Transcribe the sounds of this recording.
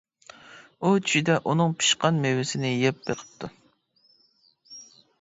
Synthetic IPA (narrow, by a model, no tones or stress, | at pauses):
ut͡ʃʰy̥ʃid̪ɛʔunɨŋpʰi̥ʃqɑnmewɪsɪnɪjɛp̚beqʰə̥p̚t̪ʰu